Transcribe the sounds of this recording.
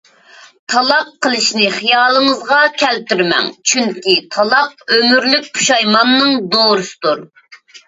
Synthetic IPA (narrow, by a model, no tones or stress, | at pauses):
t̪ʰɑlˠɑqʰːəlˠɨʃnɪχijɑːlˠəŋəzʁɑkʲʰɛlt̪yɾmɛ̰ŋt͡ʃʰyŋkʲit̪ʰɑlˠɑq̚ømyɾlyk̚ʲpʰu̥ʃɑjmɑnːɨŋd̪oːɾɨsɨ̥d̪uɾ